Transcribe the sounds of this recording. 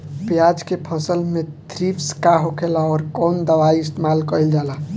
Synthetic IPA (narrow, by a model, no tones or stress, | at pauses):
pjad͡ʒkepʰə̃səlmẽ | t̪ɾipʰskaɦokʰelaɔːɾkɔːnd̪əʋaiɪst̪emalkəild͡ʒala